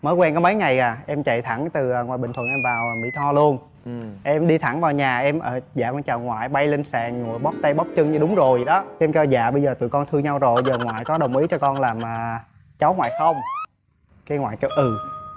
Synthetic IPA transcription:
məː˨˦jkwɛ˧nkɔ˨˦mə˨˦jŋa˨˩jaː˨˩ʔɛ˧mt͡ɕa̰˧˨jt̪ʰa˧˩ŋt̪ɨː˨˩˨ŋwaː˨˩jɓï˨˩ŋʰə˨˩nʔɛ˧mvaː˨˩wmḭ˧˥˦t̪ʰɔ˧lu˧ən | ʔɛ˧mɗi˧t̪ʰa˧˩ŋvaː˨˩wɲaː˨˩ʔɛ˧mʔəː˧˩za̰ː˧˨kɔ˧nt͡ɕaː˨˩wŋwa̰ː˧˨jɓa˧jle˧nsa̰ː˧˨˩ŋɲṵ˨˩˨əjɓɔ˦˥p̚t̪ə˧jɓɔ˦˥p̚t͡ɕɨ˧ŋɲɨ˧ɗʊ˨˦ŋ͡mzo˨˩jɗɔ˨˦ʔɛ˧mkt͡ɕɛ˧wza̰ː˧˨ɓə˧jzəː˨˩t̪ɨ̰˧˨kɔ˧nt̪ʰɨ˧ɲa˧wzo˨˩jzəː˨˩ŋwa̰ː˧˨jkɔ˨˦ɗə˨˩wŋ͡mʔi˨˦t͡ɕɔ˧kɔ˧nlaː˨˩mʔəː˨˩ | t͡ɕa˨˦wŋwa̰ː˧˨jxə˧wŋ͡m | kaː˨˦ŋwa̰ː˧˨jt͡ɕɔ˧ʔɨ˨˩

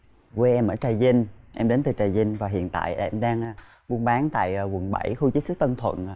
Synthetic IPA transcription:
ke˧ʔɛ˧mʔəː˧˩t͡ɕaː˨˩jzi˧ŋ̟ʔɛ˧mɗe˨˦nt̪ɨ˨˩t͡ɕaː˨˩jzi˧ŋ̟vaː˨˩ɦḭ˧˨ənt̪a̰ː˧˨ja˧˨ʔɛ˧mɗaː˧ŋ˧ | ɓu˧nɓaː˨˦nt̪a̰ː˧˨jwʊ˨˩ŋɓa̰˧˩jxu˧t͡ɕɨ˦˥k̚sɨ˦˥k̚t̪ə˧nt̪ʰwə̰˧˨n˧

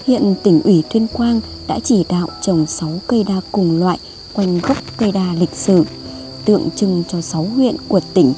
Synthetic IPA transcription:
hwḭ˧˨ənt̪ï˧˩ŋ̟ʔwi˧˩t̪ʰwi˧ənkwaː˧n | ɗa̰ː˧˥t͡ɕi˧˩ɗa̰ː˧˨wt͡ɕə˨˩wŋ͡msa˨˦wkə˧jɗaː˧kʊ˨˩ŋ͡mlwa̰ː˧˨j | kwa˧jŋ̟ɣə˦˥p̚kə˧jɗaː˧˩lï˨˩k̟̚sɨ˧˩ | t̪ɨ̰˧˨əŋt͡ɕɨ˧ŋt͡ɕɔ˧sa˨˦wɦwḭ˧˨ənku˧˩ət̪ï˧˩ŋ̟

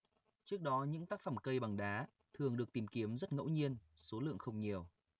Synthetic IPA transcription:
t͡ɕɨ˦˥ək̚ɗɔ˨˦ɲɨ̰˧˥ŋt̪aː˦˥k̚fə˧˩mkə˧jɓa˨˩ŋɗaː˨˦ | t̪ʰɨ˨˩əŋɗɨ˨˩ək̚t̪i˨˩mki˨˦əmzə˦˥t̚ŋə̰˧˥wɲi˧ənso˨˦lɨ̰˧˨əŋxə˧wŋ͡mɲi˨˩əw

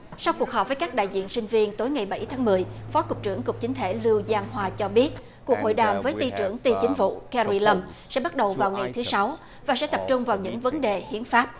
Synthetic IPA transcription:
sa˧wku˨˩ək̚ɦɔː˨˩p̚və˨˦kaː˦˥k̚ɗa̰ː˧˨jzḭ˧˨ənsï˧ŋ̟vi˧ənt̪o˨˦jŋa˨˩jɓa˧˩jt̪ʰaː˨˦ŋmɨ˨˩əjfɔ˨˦kʊ˨˩k͡p̚t͡ɕɨ̰˧˩əŋkʊ˨˩k͡p̚t͡ɕï˨˦ŋ̟t̪ʰe˧˩lɨ˧wzaː˧ŋɦwaː˧t͡ɕɔ˧ɓi˦˥ət̚ | ku˨˩ək̚ho̰˧˨jɗaː˨˩mvəː˨˦jt̪i˧t͡ɕɨ˧˩əŋt̪i˧t͡ɕï˨˦ŋ̟vṵ˧˨kɛ˧zi˧lə˧msɛ̰˧˥ɓa˦˥t̚ɗə˨˩wvaː˨˩wŋa˨˩jt̪ʰɨ˨˦sa˨˦w | vaː˨˩sɛ̰˧˥t̪ə˨˩p̚t͡ɕʊ˧ŋ͡mvaː˨˩wɲɨ̰˧˥ŋvə˨˦nɗe˨˩hḭ˧˥ənfaː˦˥p̚

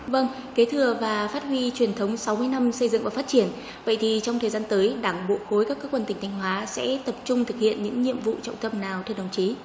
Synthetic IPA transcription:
və˧ŋ | ke˨˦t̪ʰɨ˨˩əvaː˨˩faː˦˥t̚hwi˧t͡ɕwi˨˩ənt̪ʰə˨˦wŋ͡msa˨˦wmɨ˧əjna˧msə˧jzɨ̰˧˨ŋvaː˨˩faː˦˥t̚t͡ɕi˧˩ən | və̰˧˨jt̪ʰi˨˩t͡ɕɔ˧wŋ͡mt̪ʰəː˨˩zaː˧nt̪əː˨˦jɗaː˧˩ŋɓo˧˨k̚xo˨˦jkaː˦˥kːəː˦˥k̚ːwə˧nt̪ï˨˩ŋ̟t̪ʰa˧jŋ̟ɦwaː˨˦sɛ̰˧˥t̪ə˨˩p̚t͡ɕʊ˧ŋ͡mt̪ʰɨ˨˩k̚hḭ˧˨ənɲɨ̰˧˥ŋɲḭ˧˨əmvṵ˧˨t͡ɕɔ̰˧˨wŋ͡mt̪ə˧mnaː˨˩wt̪ʰwɗə˨˩wŋ͡mt͡ɕi˨˦

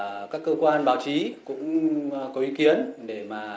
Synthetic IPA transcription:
kaː˦˥kːəː˧kwaː˧nɓaː˨˦wt͡ɕi˨˦kʊ̰˧˥ŋ͡mkɔ˨˦ʔi˨˦ki˨˦ənɗe˧˩maː˨˩

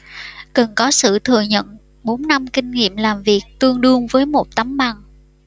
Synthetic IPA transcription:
kə˨˩nkɔ˨˦sɨ̰˧˨t̪ʰɨ˨˩əɲə̰˧˨n | ɓo˨˦nːa˧mkï˧ŋ̟ŋḭ˧˨əmlaː˨˩mvi˨˩ək̚t̪ɨ˧əŋɗɨ˧əŋvəː˨˦jmo˨˩t̚t̪a˨˦mɓa˨˩ŋ

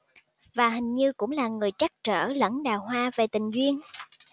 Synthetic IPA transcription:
vaː˨˩ɦï˨˩ŋ̟ɲɨ˧kʊ̰˧˥ŋ͡mlaː˨˩ŋɨ˨˩əjt͡ɕa˦˥k̚t͡ɕə̰ː˧˩lə̰˧˥nɗaː˨˩wɦwaː˧ve˨˩t̪ï˨˩ŋ̟zwi˧ən

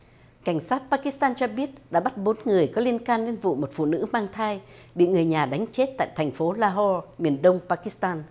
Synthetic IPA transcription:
ka˧˩jŋ̟saː˦˥t̚paː˧ki˦˥st̪aː˧nt͡ɕɔ˧ɓi˦˥ət̚ɗa̰ː˧˥ɓa˦˥t̚ɓo˨˦nŋɨ˨˩əjkɔ˨˦li˧ənkaː˧nle˧nvṵ˧˨mo˨˩t̚fṵ˧˨nɨ̰˧˥maː˧ŋt̪ʰaː˧j | ɓḭ˧˨ŋɨ˨˩əjɲaː˨˩ɗa˨˦jŋ̟t͡ɕe˦˥t̚t̪a̰ː˧˨jt̪ʰɛ˨˩ŋ̟fo˨˦laː˧ɦɔ˧mi˨˩ənɗə˧wŋ͡mpaː˧ki˦˥st̪aː˧n

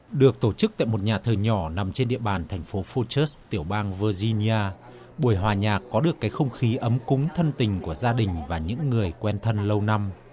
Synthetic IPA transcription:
ɗɨ˨˩ək̚t̪o˧˩t͡ɕɨ˦˥k̚t̪a̰ː˧˨jmo˨˩t̚ɲaː˨˩t̪ʰəː˨˩jɲɔ˧˩na˨˩mt͡ɕe˧nɗḭ˧˨əɓaː˨˩nt̪ʰɛ˨˩jŋ̟fo˨˦fo˧t͡ɕə˦˥st̪i˧˩əwɓaː˧ŋvəː˧zi˧ni˧ʔaː˧ | ɓu˧˩əjɦwaː˨˩ɲaː˨˩kːɔ˨˦ɗɨ˨˩əkːaː˨˦jxə˧wŋ͡mxi˨˦ʔə˨˦mkʊ˨˦ŋ͡mt̪ʰə˧nt̪ï˨˩ŋ̟ku˧˩əzaː˧ɗï˨˩ŋ̟vaː˨˩ɲɨ̰˧˥ŋːɨ˨˩əjkwɛ˧nt̪ʰə˧nlə˧wna˧m

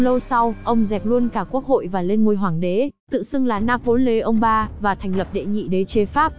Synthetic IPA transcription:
lə˧wsa˧wʔə˧wŋ͡mzɛ˨˩p̚lu˧ənkaː˧˩ku˦˥ək̚ho̰˧˨jvaː˨˩le˧nŋu˧əjɦwaː˧˩ŋɗe˨˦t̪ɨ̰˧˨sɨ˧əŋlaː˨˩naː˧pho˨˦nle˨˦ʔə˧wŋ͡mɓaː˧vaː˨˩t̪ʰɛ˨˩jŋ̟lə˨˩p̚ɗḛ˧˨ŋḭ˧˨ɗe˨˦t͡ɕe˧faː˦˥p̚

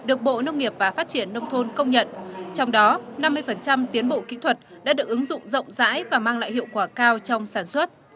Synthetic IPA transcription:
ɗɨ˨˩ək̚ɓo̰˧˨nə˧wŋ͡mŋi˨˩əp̚vaː˨˩faː˦˥t̚t͡ɕi˧˩ənːə˧wŋ͡mt̪ʰo˧nkə˧wŋ͡mɲə̰˧˨nt͡ɕɔ˧wŋ͡mɗɔ˨˦na˧mːɨ˧əjfə˨˩nt͡ɕa˧mt̪i˨˦ənɓo̰˧˨kḭ˧˥t̪ʰwə˨˩t̚ɗa̰ː˧˥ɗɨ˨˩ək̚ʔɨ˨˦ŋzʊ̰˧˨ŋ͡mzə̰˧˨wŋ͡mza̰ː˧˥jvaː˨˩maː˧ŋla̰ː˧˨jhḭ˧˨əwkwaː˧˩kaː˧wt͡ɕɔ˧wŋ͡msaː˧˩nswə˦˥t̚

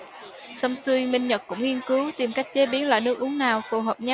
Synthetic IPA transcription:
sə˧wŋ͡msɨ˧jmï˧ŋɲə˨˩t̚kʊ̰˧˥ŋ͡mŋi˧ənkɨ˨˦wt̪i˨˩mka˦˥jk̟̚t͡ɕe˨˦ɓi˨˦ənla̰ː˧˨jnɨ˦˥ək̚ʔu˨˦əŋnaː˨˩wfu˨˩ɦəː˨˩p̚ɲa˧

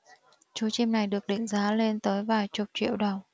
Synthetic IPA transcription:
t͡ɕu˨˦t͡ɕi˧mna˨˩jɗɨ˨˩ək̚ɗï˧˩ŋ̟zaː˨˦le˧nt̪əː˨˦jvaː˨˩jt͡ɕʊ˨˩k͡p̚t͡ɕwḭ˧˨əwɗə˨˩w

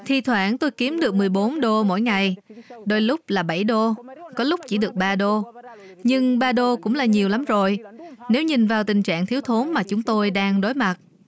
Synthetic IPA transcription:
t̪ʰi˧˩t̪ʰwaː˧˩nt̪o˧jki˨˦əmɗɨ˨˩ək̚mɨ˨˩əjɓo˨˦nɗo˧mo̰˧˥˨jŋa˨˩jɗo˧jlʊ˦˥k͡p̚laː˨˩ɓa˧˩jɗo˧kɔ˨˦lʊ˦˥k͡p̚t͡ɕḭ˧˩ɗɨ˨˩ək̚ɓaː˧ɗo˧ | ɲɨ˧ŋɓaː˧ɗo˧kʊ̰˧˥ŋ͡mlaː˨˩ɲi˨˩əwla˨˦mzo˨˩jne˨˦wɲï˨˩ŋ̟vaː˨˩wt̪ï˨˩ŋ̟t͡ɕa̰ː˧˨ŋt̪ʰi˨˦əwt̪ʰo˨˦nmaː˨˩t͡ɕʊ˨˦ŋ͡mt̪o˧jɗaː˧ŋɗo˨˦jma˨˩t̚

